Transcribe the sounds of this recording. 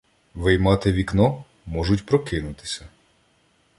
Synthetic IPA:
ʋɪjmɑt̪ɪʋʲiknɔ | mɔʒʊtʲpɾɔkɪnʊt̪ɪ̥sʲɐ

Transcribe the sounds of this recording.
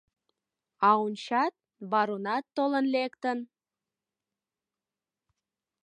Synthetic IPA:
ɑunt͡ɕɑt̪̚ | βɑɾunɑt̪ːolənlekt̪ən

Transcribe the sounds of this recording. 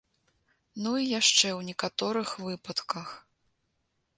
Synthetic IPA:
nuijaʂt͡ʂɛwnʲɛkat̪ɔɾɨxvɨpɐt̪kɐx

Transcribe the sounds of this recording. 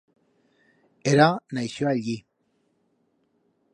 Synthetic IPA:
eɾanajʃoaʎɡi

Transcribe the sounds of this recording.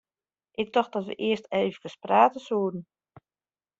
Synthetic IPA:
ʔɪk̚dɔx̚d̥ɔtʋə̰ʔɪəsteːvəkəspraːtəsuːədn̩

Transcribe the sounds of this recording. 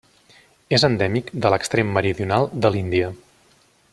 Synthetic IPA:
ezənd̪ɛmikd̪ələkst̪ɾemːəɾiðiunalˠd̪əlind̪iə

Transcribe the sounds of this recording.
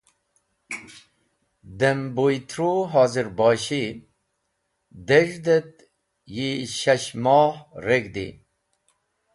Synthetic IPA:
d̪embojt̪ʰɾoɦaːziɾbɑːɕi | d̪eʐd̪et̪̚ | jiɕɐɕmɔːhɾeɡd̪ḭ

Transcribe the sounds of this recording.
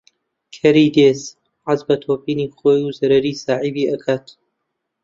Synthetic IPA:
kʰɐɾiːd̪eːs | ʕazbɐt̪ʰoːpiːnixoːjuzɐɾɐɾiːsaːʕibiːʔɐkʰat̪

